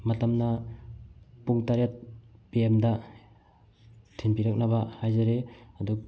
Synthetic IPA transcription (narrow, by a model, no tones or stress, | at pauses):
matamna | puŋtaɾjat̚b̥iemda | tʰinpiɾak̚nabahajzaɾeadu